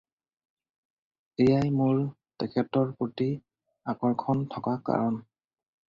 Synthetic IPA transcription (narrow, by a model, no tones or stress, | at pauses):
ejajmʊɹ | tɛkʰɛtɔɹpoti | akɔɹkʰɔntʰɔkaka̰ɹɔn